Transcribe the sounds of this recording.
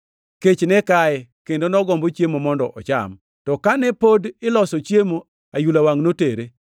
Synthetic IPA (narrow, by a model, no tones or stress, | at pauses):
ket͡ʃnɛkaɛkendonɔɡɔmbot͡ʃjemomɔndɔ̰ʔɔt͡ʃa̰m | tɔkanɛpodɪlɔsɔt͡ʃjemo | ajulawaŋnoteɾe